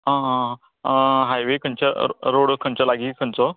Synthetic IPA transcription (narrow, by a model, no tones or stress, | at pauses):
ã | ɦajʋekʰənt͡ɕaɾoɽkʰənt͡ɕalaɡikʰənt͡sɔ